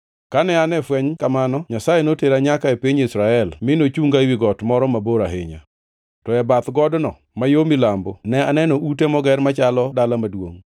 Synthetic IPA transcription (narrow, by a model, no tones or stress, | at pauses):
kanɛanɛfwɛɲkamanɔɲasajenoteɾaɲakaepiɲisɾaɛlmɪnot͡ʃuŋɡawiɡɔtmɔɾɔmaboɾaɦɪɲa̰ | tɔɛbat̪ɡɔdnɔ | majomɪlambonɛanɛnɔʔut̬emɔɡɛrmat͡ʃalɔdalamadwo̰ŋ